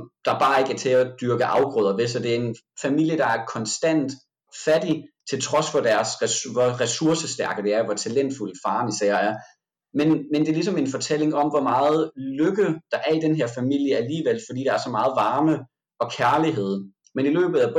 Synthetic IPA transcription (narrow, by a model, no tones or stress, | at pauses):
d̥ɑ̈b̥ɑ̈ːe̝ɡ̥æɐt͡sʰe̝ɒd̥yɐɡ̥əʔɑ̈ʊɡ̥ʁɔðˠɐʋe̝sɒ̽d̥e̝æe̝n | fæmil̰jəd̥ɑ̈æɐkʰɒ̽nsd̥æn̰d̥ | fædit͡sʰe̝lt͡sʰʁɒ̽sʋɒd̥æɐsʋɒʁɛsuɐsəsd̥æɐɡ̥əd̥e̝æɐʋɒt͡sʰælen̰d̥fuləfɑ̈ːnisæɐ̰æɐ | menmend̥e̝ɐlis̬ɒ̽me̝nfɒ̽t͡sʰel̰e̝ŋɒ̽mʋɒmɑ̈ːð̞̩ˠløɡ̥əð̩ˠd̥ɑ̈ʔæɐid̥enɦeɐ̰fæmil̰jəæliːʋelfɒd̥ḭːd̥ɑ̈æɐsɒ̽mɑ̈ːð̞̩ˠʋɑ̈ːmə | ɒ̽kʰæɐliɦe̝ð̰ˠ | menilø̰ːb̥ð̩ˠæb